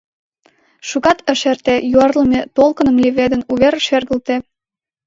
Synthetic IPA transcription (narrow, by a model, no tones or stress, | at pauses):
ʃuɣɑt̪ə̆ʃert̪ejuɑrləmet̪olkənə̆mlʲiβed̪ənuβerʃerɣə̆lt̪e